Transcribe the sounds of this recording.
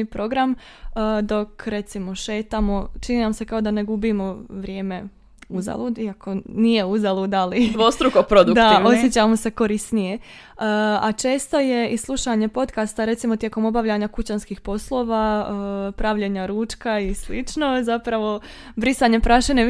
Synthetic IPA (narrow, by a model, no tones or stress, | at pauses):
ipɾo̞ɡɾamː | d̪o̞kɾe̞t̪simo̞ʃe̞ːt̪amo̞t͡ʃininamse̞kao̞d̪ane̞ɡubimo̞ʋɾʲje̞ːme̞ | uza̰luːd̪iakʰo̞nije̞uzalˠuːd̪alid̪ost̪ɾukopɾod̪ud̪aosjet͡ɕamo̞se̞ko̞ɾisnije̞ | əat͡ʃe̞ːst̪o̞je̞islˠuʃaɲe̞po̞t̪kast̪aɾe̞t̪simo̞t̪je̞ko̞mo̞baʋʎaɲakut͡ɕanskixpo̞slˠo̞ːʋa | pɾaʋʎe̞ɲaɾuːt͡ʃkaislit͡ʃno̞zapɾaʋo̞ | bɾisaɲe̞pɾaʃeɲe